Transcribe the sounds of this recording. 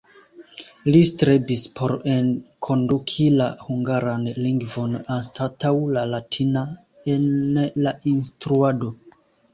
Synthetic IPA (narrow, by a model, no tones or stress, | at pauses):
listɾebispʰo̞ɾenkʰo̞ndukʰilahuŋɡaɾanliŋɡvo̞nanstʰatawlalatʰina | enlaʔinstɾuado̞